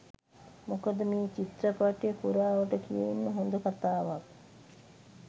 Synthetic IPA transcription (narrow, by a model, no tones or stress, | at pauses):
mukəd̪əmiːt͡ʃit̪ɾəpaʈjəkuɾaːʋəʈəkijeinːəɦond̪ukat̪aːʋak̚